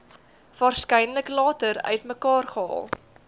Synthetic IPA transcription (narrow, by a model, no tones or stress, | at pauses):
v̥ɑːrskɛjnləklɑːtəɾœ̰ɥtməkɑːrχəɑ̰ːlˠ